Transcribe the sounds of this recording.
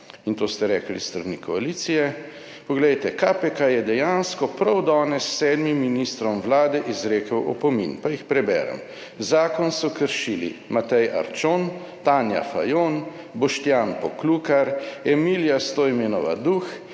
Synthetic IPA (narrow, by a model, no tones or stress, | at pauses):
int̪oːst̪ɛɾɛːklḭsst̪ɾanikʰɔaliːt̪sijɛ | pɔɡlɛjt̪ɛkapɛkajɛd̪ɛjaːnskɔpɾɐwd̪ɔːnɛsːɛːd̪mimːinist̪ɾɔmʋlaːd̪ɛʔizɾeːkəwʔɔ̰pɔmḭnpajixpɾɛbɛ̰ːɾɛ̰m | zaːkɔnsɔkəɾʃiːlḭmat̪ɛja̰ɾt͡ʃon | t̪aːnja̰fa̰jon | bɔʃt̪jaːnpɔklukaɾɛmiljast̪oːimeːnɔʋa̰d̪ux